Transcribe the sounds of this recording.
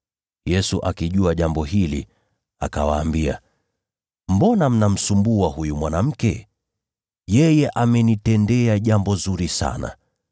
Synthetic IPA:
jɛsuʔakiʄuaʄambɔɦilḭ | a̰kawaːmbia̰ | mbɔnam̩nam̩sumbuahujumwanam̩kɛ | jɛjɛʔamɛnitɛndɛaʄambɔzuɾisa̰na̰

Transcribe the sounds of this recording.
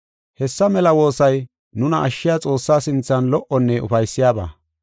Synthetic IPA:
hɛsːɐmɛlɐwo̞ːsɐj | nʊnɐʔːʃːɪjat͡sʼo̞ːsːaːsɪnt͡sːɐnlɔʔɔnːɛʊ̰fɐjsːɪjaːba̰ː

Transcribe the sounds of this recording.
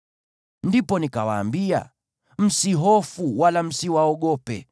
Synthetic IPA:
ndipɔnikawa̰ːmbia̰ | m̩siɦɔfuwalam̩siwaɔɠɔpɛ̰

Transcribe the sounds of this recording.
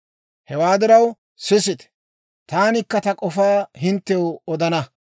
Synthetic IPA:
hɛwaːd̪ɪɾɐw | sɪs̬ɪt̪ɛ̥ | t̪aːnɪkːɐt̪ɐkʼɔfaːɦɪnt̪ːɛwɔd̪ɐnɐ

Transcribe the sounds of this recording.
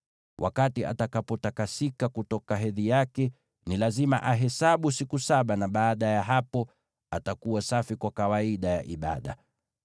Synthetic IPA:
wʔa̰katia̰takapɔtakasikakutɔkaɦɛðijakɛ | nilazima̰ʔaɦɛsaɓusikusaɓanaɓaːɗajaɦapɔ | atakuwasafikwakawaiɗaja̰ʔiɓa̰ɗa̰

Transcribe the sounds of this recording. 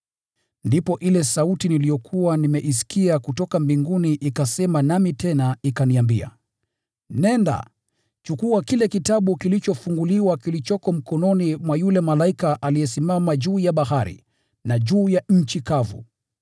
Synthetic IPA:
ndipɔʔilɛsautinilijɔkʰuwanimɛʔis̬i̥kiakutɔkambiŋɡuniʔikasɛmanamitʰɛnaikaniambia̰ | nɛnda̰ | t͡ʃukuakilɛkitaɓukilit͡ʃɔfuŋɡuliwakilit͡ʃɔkɔm̩kɔnɔnimwajulɛmalaikaʔaliɛsimamaʄuːjaɓaɦaɾḭ | naʄuːjaɲ̩t͡ʃikavṵ

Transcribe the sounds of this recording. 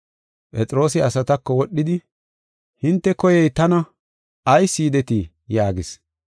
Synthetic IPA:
pʼɛt͡sʼɾo̞ːs̬ɪɐsɐt̪ɐkːɔwɔɗːɪd̪ɪ | hɪnt̪ːɛkɔjɛjt̪ɐnɐ | ɐjsːiːd̪ɛt̪i | jaːɡɪs

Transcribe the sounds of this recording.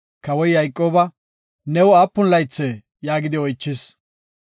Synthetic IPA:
kɐwɔjːɐjkʼːoːbɐ | nɛwɔaːpːʊnlɐjt͡sːɛ | jaːɡɪd̪ɪɔjt͡ʃːɪs

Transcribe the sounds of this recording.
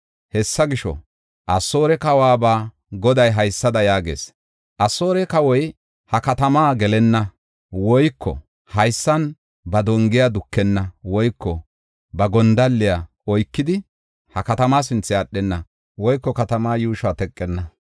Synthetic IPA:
hɛsːɐɡɪʃɔ̰ | ʔɐsːoːɾɛkɐwaːbaː | ɡɔd̪ɐjɦɐjsːɐd̪ɐjaːɡḛːs | ʔɐsːo̞ːɾɛkɐwɔj | hɐkɐt̪ɐmaːɡɛlɛnːɐ | wɔjkːɔ̰ | hɐjsːɐn | bɐd̪ɔŋɡɪjad̪ʊkːɛnːɐwɔjkːɔ | bɐɡɔnd̪ɐlːɪja | ɔjkːɪd̪ɪ | hɐkɐt̪ɐmaːs̬ɪnt͡sːɪɐɗːɛnːɐ | wɔjkːɔkɐt̪ɐmaːjuːʃaːt̪ɛkʼːɛnːɐ

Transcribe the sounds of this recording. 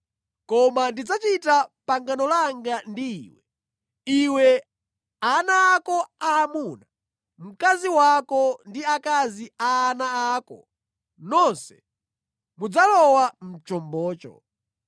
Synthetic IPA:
kɔmandid͡zat͡ʃitapaŋɡanɔlaŋɡandiːwɛ | iwɛ | anaːkɔaːmuna | m̩kaziwakɔndiakaziaːnaaːkɔ | nɔnsɛ̥ | mud͡zalɔwam̩t͡ʃɔmbɔːt͡ʃɔ̰

